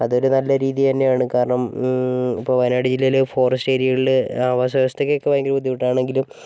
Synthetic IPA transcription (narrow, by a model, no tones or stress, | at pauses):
ɐðo̞ɾunɐlːɐɾiːðit̪ɐnːe̞jaːɳɨkaːɾɐɳɐm | ipːo̞ːʋɐjnaːɽid͡ʑilːelefo̞ːrɐsʈe̞ːɾiiɭilɨaːʋɐs̬ɐʋɐst̪ekːeokːeojeŋɡilpud̪ʱːipiʈːaːɳe̞ŋɡilum